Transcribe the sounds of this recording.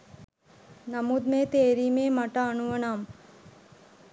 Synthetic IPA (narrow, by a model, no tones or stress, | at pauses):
nɐmud̪meːt̪eːɾiːmeːmɐʈɐːnuʋɐnaːm